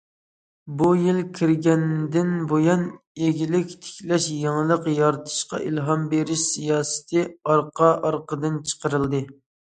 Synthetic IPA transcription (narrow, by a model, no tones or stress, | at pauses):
bujilkʲʰiɾɡʲɛnd̪ɪnbojɑn | eɡʲilɪkʲt̪ʰɪ̥kʲlɛʃjeŋlˠəqjɑɾt̪ʰɨ̥ʃqɑ̰ʔilɦɑmbeɾɪʃsijɑːsɨ̥t̪ʰɨɑɾqʰɑʔɑɾqəd̪ɨnt͡ʃʰə̥qəɾɨlˠd̪ɨ